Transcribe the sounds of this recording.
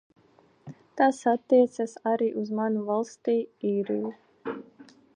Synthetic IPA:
t̪asat̪ːiɛt̪sasaɾiːʔuzmanuvalˠst̪iːiːɾḭju

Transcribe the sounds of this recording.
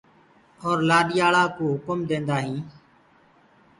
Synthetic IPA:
ɔːɾlaːɗɪjaːɭaːkuːɦʊkəmd̪ẽːnd̪aːɦĩː

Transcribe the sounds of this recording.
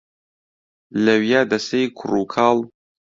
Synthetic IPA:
lɐwjaːd̪ɐsejkʰuruːkʰaːlˠ

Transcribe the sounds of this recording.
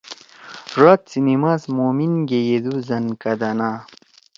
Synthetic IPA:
ʐat̪̚t͡sinimaːsmoːminɡejed̪uzɐnkɐd̪ɐna

